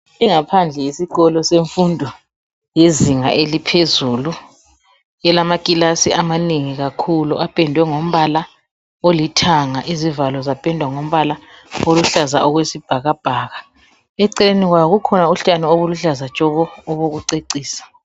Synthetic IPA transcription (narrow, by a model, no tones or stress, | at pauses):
iŋapʰand͡ɮʱɛisiɣɔlɔseɱfundʱɔ | jeziŋa̰ʔelipʰezuːlu | jɛlamakʼilasiʔamaneŋiɣakʰuluʔapʼɛndʱwɛŋom̩βala | olitʰaŋaʔizivalɔzapʼɛndʱwaŋom̩βalaoluɬaza̰ʔɔɣwesib̥ʱaɣab̥ʱaːɣa | ɛǀɛleniɣwaɣukʰɔnauɬtʼanioβuluɬazat͡ʃʼɔɣɔːβoɣuǀeǀiːsḁ